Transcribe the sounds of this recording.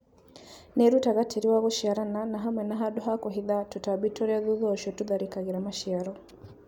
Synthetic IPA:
nɛɾutaɣatʰiɾiwaɣɔʃiaɾananaɦamwɛnaɦaɗɔɦakɔɦiðatutabitɔɾɛaðuðɔʃɔtuðaɾikaɣiɾamaʃiaɾɔ

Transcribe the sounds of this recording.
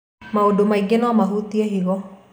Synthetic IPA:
maodomaiɡenamaɦut̪iaɦiɣɔ

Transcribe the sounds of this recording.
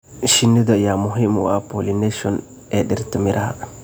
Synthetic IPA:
ʃinːid̪ajamuɦimṵwapolineʃɔn | eɗiɾt̪imiɾʔaa̰

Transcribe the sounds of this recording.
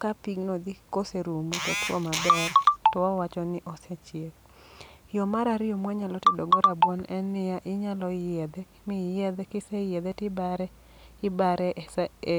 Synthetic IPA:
kapiɡnod̪ikoseɾumutɔtwɔ̰mabɛrtɔawat͡ʃɔnɪʔɔsat͡ʃjek | jɔmaɾaɾɪjɔmwɛɲalɔtɪdɔɡoɾabwɔnɛnɪaʔɪɲalɔɪjɛd̪ɛ | mijɛd̪ɛkɪsɛjɛd̪ɛtɪbaɾɛ | ɪbaɾɛʔs

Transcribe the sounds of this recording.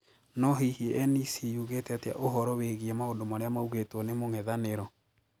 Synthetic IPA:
nɔɦihieʔɛnisijuɣetɛta̰ʔoɦɔɾɔweɣiɛmaondomaɾeamauɣetwɔnemoŋɛðaneɾɔ

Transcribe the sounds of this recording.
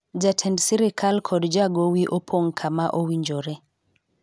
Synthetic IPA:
d͡ʒatʰɛndsiɾikʰalkʰɔdd͡ʒaɡowiʔopʰoŋkʰamaʔowiɲd͡ʒoɾɛ

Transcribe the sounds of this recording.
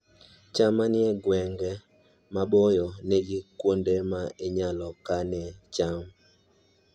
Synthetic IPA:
t͡ʃamanɪeɡwɛŋɡɛ | maɓɔjɔneɡikwondemaiɲalɔkanɛt͡ʃam

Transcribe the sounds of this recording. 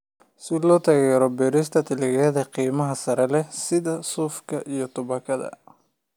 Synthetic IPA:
sɪlɔːt̪ʰɐɣɛːɾɔbɛɾɪs̬t̪ʰɐt̪ʰɪlɪɣɛːðɐqiːmɐɦɐsɐɾɛlɛsɪðɐsuːfkʰɐʔijɞt̪ʰʊβɐkʰɐðɐ̰

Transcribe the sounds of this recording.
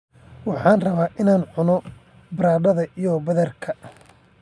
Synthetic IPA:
wɑħɑːnrɐβaːʔɪnaːnʕʊnɔ | bɾaːɖɐðɐʔijɔbɐðɐrkʰɐ

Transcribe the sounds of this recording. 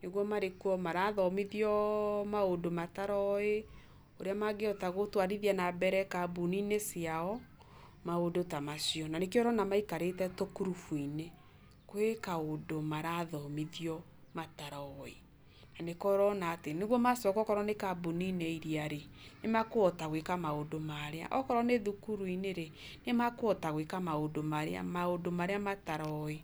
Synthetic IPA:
neɣwɔmaɾekuɔmaɾaðɔmiðjɔmaodomataɾɔe | oɾeamaɡeɔtaɣotwaɾiðianabɛɾɛkabunineseaɔ | maodotamasiɔnanekeɔɾɔnamaikaɾetɛtokuɾufwine | kwekaodomaɾaðɔmiðiɔ | mataɾɔɔe | nanekɔɾɔnaːteneɣwɔmasjɔkɔkɔɾɔnekaboninɛiɾiaɾenemakoɔtaɣwekamaodomaɾea̰ʔɔkɔɾɔneðukuɾwineɾe | nemakoɔtaɣwekamaodomaɾa̰maodomaɾeamataɾɔe

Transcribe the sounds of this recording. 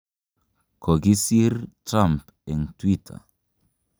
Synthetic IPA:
kʰoɡisiɾtɾãmp | ɛnt̪wit̪ʰa̰

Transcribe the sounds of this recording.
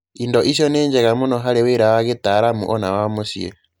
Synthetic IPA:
indɔʔisjɔneːɲd͡ʒeɣamunɔɦaɾeweɾawaɣetaɾamṵʔɔnawamosiḛ

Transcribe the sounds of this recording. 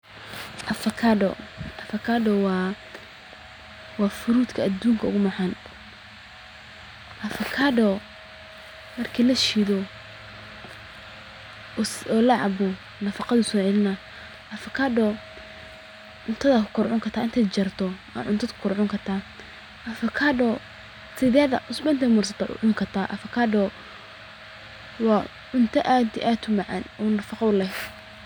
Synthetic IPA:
ʔɐfɐkʰadɔ̰ʔɐfɐkʰaɖɔwɑ | wɑːfʊɾuːd̪kʰɐɐd̪uːŋkʰɐʊɣʊmɐħan | ʔɐfɐkʰadɔ | mɐrkʰilɐʃiðɔ | ɔːlɐʕɑ̰bɔ | nɐfɑqɑðʊsɔːʕɛlɪna | ʔɐfɐkʰaːdɔː | ʕʊnt̪ʰɐðɐkʰʊkʰʊrʕʊŋkʰɐrt̪ʰaːɪnt̪ʰɛːt͡ʃɐrt̪ʰɔɐ̰ʕʊnt̪ʰɐd̪kʰʊ̥kʰːɾrʕʊŋkʰɐrt̪ʰaː | ʔɐfɐkʰadɔ | sɪðɛːðɐ̰ʔʊsbɛɪnt̪ʰɐmɐrsɐt̪ʰɔʔʊ̰ʕʊŋkʰɐrt̪ʰaːʔɐ̰fɐkʰaːdɔː | wɑː | ʕʊnt̪ʰɐʔat̪ʰɪʔaːt̪ʰʊmɐʕɑ̰nɔːnɐfɑqɑʊlɛɦ

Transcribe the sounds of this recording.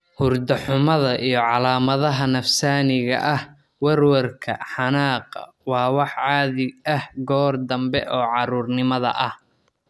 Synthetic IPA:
hʊrd̪ɐħʊmɐðɐʔijɞʕɑlaːmɐðɐɦɐnɐfsaːnɪɣɐ̰ʔɐh | wɐrwɐrkʰɐ̰ħɑnaːqɐ̰ | wɑːwɑħʕɑːðɪɡɐhɡɔːrd̪ɐmbɛʔɔːʕɑɾuːrnɪmɐðɐ̰ʔɐh

